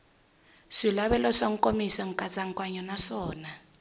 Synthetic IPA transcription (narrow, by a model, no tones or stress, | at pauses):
ʂilaβɛlɔʂaŋ̩kʼomisɔŋ̩kʼat͡sʼaŋkʼwaɲɔnaʂɔːna